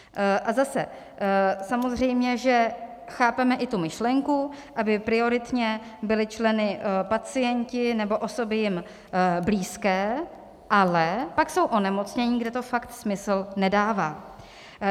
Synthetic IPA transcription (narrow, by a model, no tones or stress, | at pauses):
ʔazasɛ̰ | samo̞zr̝ɛjmɲɛʒɛ | xaːpɛmɛʔɪt̪umɪʃlɛŋkuʔabɪpɾɪo̞ɾɪt̪ɲɛbɪlɪt͡ʃlɛnɪpat͡sɪjɛɲcɪnɛbo̞ʔo̞so̞bɪjɪm | bliːskɛː | ʔalɛpakso̞wʔo̞nɛmo̞t͡sɲɛɲiːɡdɛt̪o̞fakt̪smɪslnɛdaːvaː